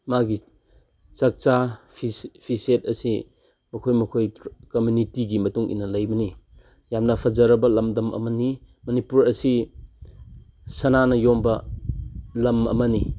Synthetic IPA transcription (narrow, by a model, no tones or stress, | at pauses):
maɡi | t͡ʃɐk̚t͡ʃapʰipʰiset̚ɐsi | mɐkʰojmɐkʰojkomjunitiɡimɐtuŋʔḭnɐlɐjbɐni | jamnɐpʰɐzɐɾɐbɐlɐmdɐmʔɐ̰mɐni | mɐnipuɾɐsi | sɐnanɐjombɐ | lɐmɐ̰mɐni